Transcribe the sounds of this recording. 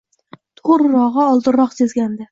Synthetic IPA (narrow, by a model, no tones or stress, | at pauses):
t̪ʰoɾɾɒʁɑɒlˠd̪ɪɾɒqsezɡʲand̪ɪ